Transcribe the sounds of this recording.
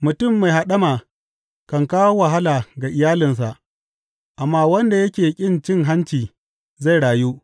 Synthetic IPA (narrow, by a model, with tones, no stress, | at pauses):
mʊ˨tʊ˦˨mːa˨jɦa˨ɗɐ˦ma˨ | kɐ˨ŋkaː˦wo˦wa˨ɦa˦laː˨ɡaː˨ʔɪ˨jaː˦lɪ˨ns̬a˨ʔ | ʔa˨mːaː˦wɐ˦nda˨jɐ˦kʲeː˨kʲʼɪ˦nt͡ʃɪ˦ŋɦa˦nt͡ʃiː˨ | za˦˨jɽaː˨ju˦ʔ